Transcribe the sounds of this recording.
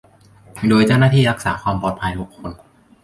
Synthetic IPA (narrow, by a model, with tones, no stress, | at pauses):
doː˧jt͡ɕa˥˩wnaː˥˩t̪ʰiː˥˩ɾa˦˥k̚saː˩˦kʰwaː˧mpɔː˨˩t̪̚pʰa˧jt̪ʰu˦˥kʰːo˧n